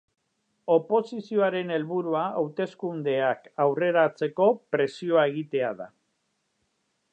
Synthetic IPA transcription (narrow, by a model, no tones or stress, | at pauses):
o̞po̞sisio̞aɾe̞ne̞lβuɾuaawt̪e̞skund̪e̞akawre̞ɾat͡se̞ko̞pɾe̞sio̞ae̞ɣ̞it̪e̞aða̰